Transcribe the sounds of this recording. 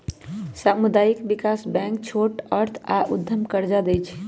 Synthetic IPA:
samud̪aikbikasbɛ̃ŋk̚t͡ʃʰoʈəɾt̪ʰaʔud̪ʱːəmkəɾd͡ʒad̪ɛjt͡ʃʰ

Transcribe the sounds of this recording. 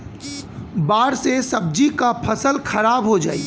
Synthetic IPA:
baːɽsesɐb̚d͡ʒikapʰɐsəlxʰɐɾaːbɦod͡ʒaːiː

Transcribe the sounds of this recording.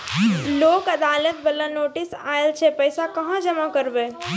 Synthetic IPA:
loːkɐd̪aːlət̪̚bəlanoːʈɪsa̰ːelt͡ʃʰepəjsakɐɦãd͡ʒəmakəɾbeː

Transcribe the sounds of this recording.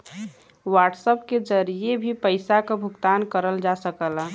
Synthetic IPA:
waːʈsəpked͡ʒəɾiebʱipəɪsakabʱʊɡt̪aːnkəɾəld͡ʒasəkəla

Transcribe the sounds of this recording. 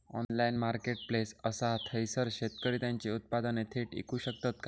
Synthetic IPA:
ɔ̰nlainmaɾkeʈ̚plesəsat̪ʰəjsəɾɕet̪kəɾiːt̪jãɲt͡ɕeut̪̚pad̪ənet̪ʰeʈḭkuːɕək̚t̪at̪ka

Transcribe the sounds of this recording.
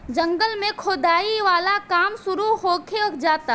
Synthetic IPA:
d͡ʒə̃ŋɡəlmẽkʰoːd̪aːiʋaːlakaːmsʊɾuɦoːkʰed͡ʒaːt̪aː

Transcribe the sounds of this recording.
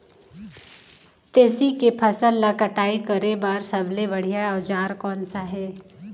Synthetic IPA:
t̪eːsikepʰɐsəlːakɐʈaːikəɾebaːɾsɐblebɐɽ̤ijaʋd͡ʒaːɾkɔːnsaɦɛː

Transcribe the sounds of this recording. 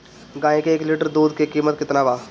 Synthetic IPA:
ɡãːẽkeeːklɪʈəɾd̪uːd̪̚kekiːmət̪̚kɪt̪naʋaː

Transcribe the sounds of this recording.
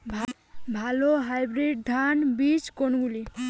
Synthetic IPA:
bʱ | bʱaloɦajbɾeɖ̚d̪ʱanbit͡ʃkonɡuli

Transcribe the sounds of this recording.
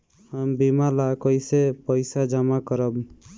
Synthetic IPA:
həmbimalakəjsepəɪsad͡ʒamakəɾəb

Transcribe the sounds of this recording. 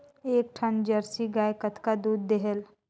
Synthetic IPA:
eːk̚ʈʰənd͡ʒəɾsiɡaːjkət̪kad̪uːd̪ːeɦəl

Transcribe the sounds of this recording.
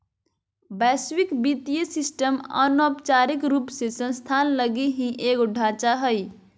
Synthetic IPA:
bɛswikbit̪ijəsisʈəmə̰nɔpt͡ʃaɾikɾupsesə̃nst̪ʰanləɡiɦĩʔeːkʊɖʱat͡ʃaɦəj

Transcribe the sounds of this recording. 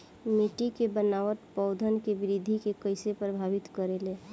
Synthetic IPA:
meʈikebənaʋət̪pəʊd̪ʱənkebɪɾid̪ʱikekəɪsepɾəbʱaʋit̪kəɾele

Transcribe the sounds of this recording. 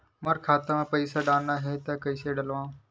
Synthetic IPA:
məɾkʰaːt̪amãːpəɪsaːɖaːnːaːɦeːt̪aːkəɪseːɖəlʋãː

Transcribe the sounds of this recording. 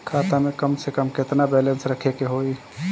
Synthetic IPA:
kʰat̪amekəmsekəmket̪nabɛlənsɾəkʰekeɦoi

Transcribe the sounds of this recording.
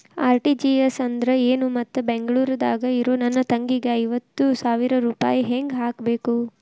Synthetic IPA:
aːɾʈid͡ʒiesɐnd̪ɾɐe̞ːnumɐt̪ːubeŋɡɐɭuːɾɐd̪a̰ːɡɐiɾoːnɐnːɐt̪ɐŋɡiɡeɐjʋɐt̪ːusaːʋiɾɐɾuːpa̰ːjiɦeŋɡɦaːkbe̞ːku

